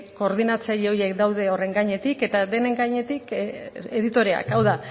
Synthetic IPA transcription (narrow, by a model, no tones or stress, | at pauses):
ko̞ːɾðinat͡saʎo̞je̞kd̪awðe̞o̞re̞ŋɡaɲe̞t̪ike̞t̪ad̪e̞ne̞ŋɡaɲe̞t̪ike̞ðit̪o̞ɾe̞a̰kawða